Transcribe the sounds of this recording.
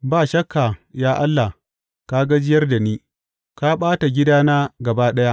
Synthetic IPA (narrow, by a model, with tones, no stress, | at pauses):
baː˦˨ʃɐ˦kːa˨jaː˦ʔa˦lːa˨ | ka˦ɡa˦d͡ʒɪ˦jɐ˦rda˨niː˦ | ka˦ɓaː˦ta˨ɡʲɪ˦daː˦naː˦ɡɐ˨baː˦ɗɐ˦ja˦ʔ